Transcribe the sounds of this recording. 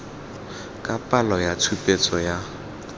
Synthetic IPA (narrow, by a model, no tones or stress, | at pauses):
kʼapʼalɔjatʰupʼet͡sʼɔja